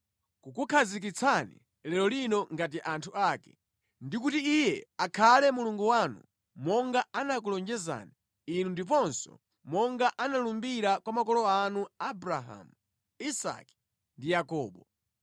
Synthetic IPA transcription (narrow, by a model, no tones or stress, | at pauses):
kukukʰazik̬it͡sʰanḭ | lɛlɔlinɔŋɡat̬iʔantʰuaːkɛ̥ | ndikutiːjɛakʰalɛmuluŋɡuwanṵ | mɔŋɡaanak̬ulɔnd͡ʒɛza̰ni | inundip̬ɔnsɔ̰ | mɔŋɡaʔanalumbiɾakwamakɔlɔanuabɾaɦa̰mu | isa̰ki̥ | ndijakɔːɓɔ